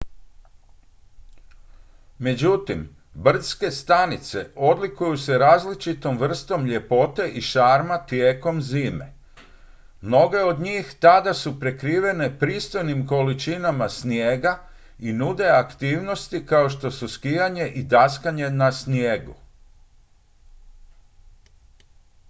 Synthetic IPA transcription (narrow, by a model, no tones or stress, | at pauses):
me̞d͡ʑut̪im | br̩t̪ske̞st̪anit̪se̞o̞d̪likujuse̞ɾaːzlit͡ʃit̪o̞mʋr̩st̪o̞mʎe̞po̞t̪e̞ʔiʃaːɾmat̪jeːko̞mziːme̞̰ | mno̞ɡe̞o̞d̪ɲiːxt̪ad̪asupɾe̞kɾiːʋe̞ne̞pɾiːst̪o̞jnimko̞lit͡ʃinamasnjeːɡa | inud̪e̞akt̪iːʋno̞st̪ikao̞ʃt̪o̞suskijaɲe̞ʔid̪askaɲe̞nasnjeːɡṵ